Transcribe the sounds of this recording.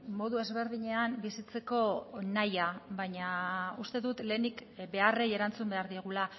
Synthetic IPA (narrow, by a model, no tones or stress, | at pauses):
mo̞ðue̞zβe̞ɾðiɲe̞ambisit͡se̞ko̞najaβaɲaust̪e̞ðut̪le̞ːnikbe̞areje̞ɾant͡sumbe̞aɾðieɣ̞ula